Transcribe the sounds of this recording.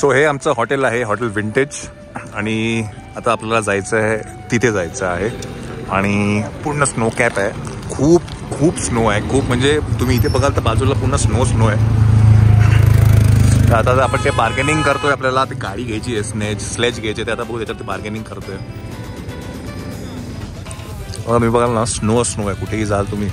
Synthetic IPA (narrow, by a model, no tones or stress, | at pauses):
soɦeamt͡səɦɔʈelaɦeɦɔʈəlʋiɳʈed͡ʑ | aɽ̃i | at̪aːpljalad͡zajt͡səe | t̪it̪ʰed͡zajt͡səaɦeaɽ̃ipuɽɳəsnokɛpaɦekʰuːp | kʰuːbsnoaɦekʰuːpm̤əɳd͡zet̪um̤iːt̪ʰebəɡʱalt̪əɾbad͡zulapuɽɳəsnosnoe | t̪əat̪aapəɳt̪ebaɾɡenĩŋɡkəɾt̪oeapljalat̪eɡaɽiːɡʱejt͡ɕiːesned͡ʑsled͡ʑɡʱejt͡ɕiet̪eat̪abəɡʱuːt̪jat͡ɕaɾt̪ʰebaɾɡenĩŋɡkəɾt̪oe | məɡat̪um̤iːbəɡʱalnasnosnoaɦkuʈʰeɦiːd͡zalt̪um̤iː